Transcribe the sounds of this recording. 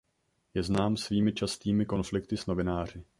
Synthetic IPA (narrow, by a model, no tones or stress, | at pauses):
jɛznaːmsviːmɪt͡ʃast̪iːmɪko̞nflɪk̚t̪ɪsno̞vɪnaːr̝ɪ